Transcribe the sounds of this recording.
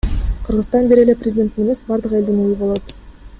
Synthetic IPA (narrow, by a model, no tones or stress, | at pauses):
qʰɯɾʁɯzt̪ɑnbeɾeleprʲzʲdʲe̞nt̪ːineme̞sbɑɾd̪ɯqe̞ld̪inujubolˠot̪